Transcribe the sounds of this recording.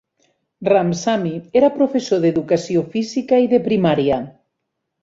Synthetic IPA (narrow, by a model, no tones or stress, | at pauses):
ramsamieɾapɾofesoðeðukasiofizikaiðepɾimaɾja